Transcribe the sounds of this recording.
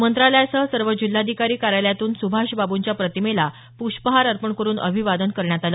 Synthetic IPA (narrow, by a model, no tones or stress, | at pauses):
mənt̪ɾaləjsəsəɾʋəd͡ʑil̤ːad̪ʱikaɾiːkaɾajljat̪uːnsubʱaɕbabuɲt͡ɕjapɾət̪imela | puɕpəɦaɾəɾpəɳkəɾuːnʔə̰bʱiʋad̪ənkəɾɳjat̪alə